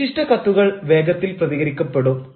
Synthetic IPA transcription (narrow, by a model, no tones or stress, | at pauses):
iʂʈɐkɐt̪ːuɣɐɭʋe̞ːɡɐt̪ːilprɐðiɣɐɾikʲːupːeɽom